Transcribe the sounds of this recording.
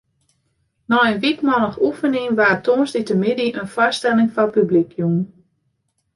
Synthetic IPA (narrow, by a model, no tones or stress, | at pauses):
nɔənʋikmɔləxufəniŋʋaːtʰoːnstitəmɪdiʔənfɔstɛlɪŋfapyblikʰjun